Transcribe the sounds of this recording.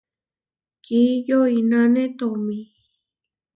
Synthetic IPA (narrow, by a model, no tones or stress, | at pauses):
kijoinãnẽt̪omĩ